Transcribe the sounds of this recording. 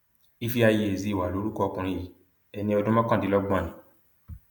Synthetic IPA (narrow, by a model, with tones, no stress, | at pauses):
i˦fi˦a˧je˧e˨zi˨˧˦wa˨lo˨˦ɾu˦kɔ˦ɔ˧kũ˧ɾ̃ĩ˧ji˨˦ | ɛ˧nĩ˧ɔ˧dũ˦mã˦kã˦˨di˨˦lɔ˦ɡ͡bã˦˨ĩ˨˦